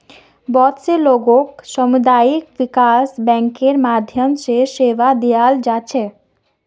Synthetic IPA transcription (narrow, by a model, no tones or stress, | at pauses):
bɔt̪seloɡokʃɔmud̪aikbikasbɛŋkeɾmad̪ʱjomʃeʃeʋad̪ijald͡ʑaːt͡ɕʰe